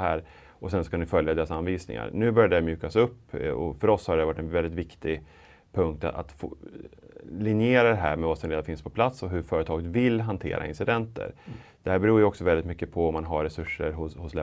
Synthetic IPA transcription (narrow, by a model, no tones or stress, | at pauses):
hæːɾ | ʔɔsɛnsɔskanɪfœljad̪eːɾasanviːsnɪ̰ŋa̰ɾnʉ̟ːbœɾjad̪ɛamjʉ̟ːkasɵpːɔ̰fœɾɔshad̪ɛævaʈːɛnvɛld̪ɪt̪vɪkt̪ɪɡ | pʰɵŋk̚t̪aa̰t̪f | lɪnɪeːɾad̪ɛɦæ̰ːɾmɛvaːsɔnɾeːd̪afɪnspʰɔpʰlat̪sɔɦɵɾfœːɾət̪ʰɑːɡət̪vɪlːɦant̪ʰḛːɾʔa̰ɪ̰nsɪd̪ɛnt̪ə̰ɾd̪̥ɛhæːɾbɛɾuːjəɔksɔvɛlɪt̪mʏkːəpʰɔɔmːanɦaɾɛsɵʂːəɾɦʊhʊslɛ